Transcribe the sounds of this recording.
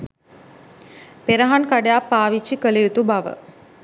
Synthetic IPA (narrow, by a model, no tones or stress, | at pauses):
peɾəɦankaɖejapːaːʋit͡ʃːikəlejut̪ubaʋə̰